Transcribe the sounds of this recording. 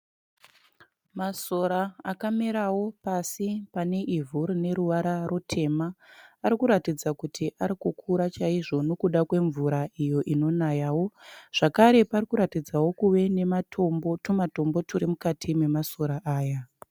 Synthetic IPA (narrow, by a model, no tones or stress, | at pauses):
maso̞ɾaakameɾawo̞pasipane̞ʔivʱuɾine̞ɾuʋaɾarotʰe̞maːɾikuɾatid͡zakutʰiʔaɾikukʰuɾat͡ʃaiʐo̞no̞kuɗakwe̞ɱvuɾaijo̞ʔino̞najaːwo̞ʐ̥akaɾe̞parikuɾatid͡zawo̞kuʋe̞ne̞matʰo̞mbo̞tumato̞mbo̞tʰuɾimukatʰime̞maso̞ɾaʔaːja